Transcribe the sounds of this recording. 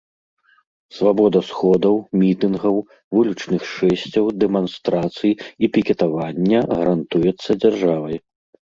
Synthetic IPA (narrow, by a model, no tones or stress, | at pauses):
svabɔd̪ɐsxɔd̪ɐwmʲit̪ɨnɣɐw | vulʲut͡ʂnɨxʂɛsʲt͡sʲɐwd̪ɛmanst̪ɾat̪sɨjiipʲikʲɛt̪avanʲːɐɣɐɾant̪ujɛt̪sːɐd͡zʲarʐavɐj